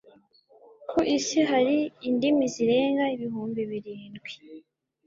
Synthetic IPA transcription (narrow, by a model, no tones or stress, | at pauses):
kʰoʔisiɦaɾiːndimiziɾe̞ːŋɡaiβiɦuːmbiβiɾiːnɡwi